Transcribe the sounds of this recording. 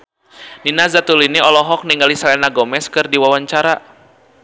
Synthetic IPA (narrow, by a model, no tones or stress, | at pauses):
ninazat̪uliniɔlɔɦɔk̚niŋɡalisalɛnaɡɔmɛskɨrdiwawaɲt͡ʃaɾa